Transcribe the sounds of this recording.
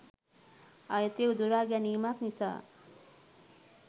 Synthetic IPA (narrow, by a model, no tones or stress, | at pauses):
ajet̪ewd̪uɾaɡjanimaknisa̰